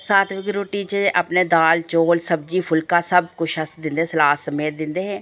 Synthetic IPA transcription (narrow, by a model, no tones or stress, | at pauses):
saːt̪ʰʋɪɡɾoʈiːt͡ʃəəpneːd̪aːlt͡ʃoːlsəb̚d͡ʒiːpʰʊlkaːsəb̚kʊʃɦəsd̪ɪ̃nd̪eːsəlaːsəmeːt̪̚d̪ɪnd̪eːɦɛ̃ː